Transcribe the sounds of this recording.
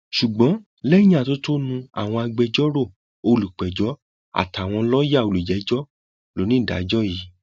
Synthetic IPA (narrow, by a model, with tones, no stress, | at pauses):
ʃu˨ɡ͡bɔ̃˨˦ | lɛ˦i˦jĩ˦a˦˨to˦to˦nũ˧a̰˨w̃ɔ̃˧a˧ɡ͡bɛ˧d͡ʒɔ˦ɾo˦˨ | o˧lu˨k͡pɛ˨d͡ʒɔ˨˦ | a̰˨tʰa˨w̃ɔ̃˧lɔ˦ja˦˨o˧lu˨d͡ʒɛ˨˦d͡ʒɔ˦ | lo˨˦nĩ˦˨da̰˨˦d͡ʒɔ˦ji˨˦